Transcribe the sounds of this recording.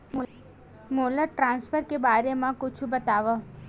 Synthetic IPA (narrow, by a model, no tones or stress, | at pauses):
moləʈɾãnsfəɾkebaɾemãkʊt͡ʃʰũbət̪aʋə